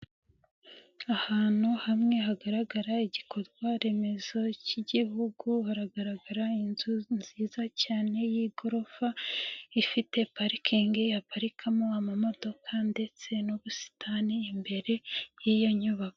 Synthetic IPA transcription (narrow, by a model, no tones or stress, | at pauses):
ahaːn̥huhamŋe̞ɦaɡaɾaɡaɾaiɟikʰo̞ɾɡwaɾe̞me̞zo̞ciɟiɦuɡuhaɾaɡaɾaɡaɾainzunziːzacaːne̞jiɡo̞ɾo̞faifite̞paɾikʰiŋɡejapaɾikʰamoamamo̞do̞kʰande̞t͡se̞nuβusi̥tʰaniːmbe̞ɾe̞jijaɲuβako